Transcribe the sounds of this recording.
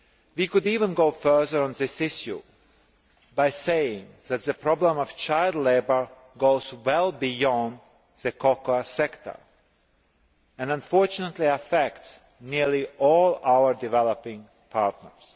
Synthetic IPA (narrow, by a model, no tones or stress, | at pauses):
wikʊdiːvə̃nɡoʊfɜ˞ðə˞ə̃nðɪsɪʃjṵ | baɪseɪɪ̃ŋðæt̪̚ðəpɹɔblə̃mɔv̥t͡ʃaɪlˠdˡleɪbə˞ | ɡoʊzwɛlˠbijɔ̃nd | ðɨkʰɔkoasɛktʰə̰˞ | ɛ̃nãɱfɔɹt͡ʃʊnət̪liəfɛkts | niɹliʔɔlˠawə˞dɪvɛlˠəpɪ̃ŋ | pʰaɹtnə̰˞s